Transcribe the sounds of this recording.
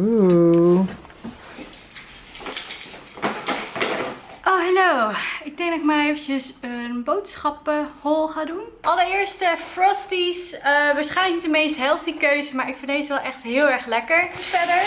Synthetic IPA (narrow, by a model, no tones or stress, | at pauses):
u | ʔowɦɛlowɪɡ̚dɛŋɡdɔɪkmaejfəcəsənbowtsχɑpəhɔlˠχaːdunɑləɹɪːɹstəfrɔstisəʋaːɹsχɛjləknitdəmejstɦɛlˠfdikøɥzəmaːɹɪkfɪndejsʋɛlˠʔɛχtɦɪːlˠɛɹχlɛkəɹsfɛdəɹ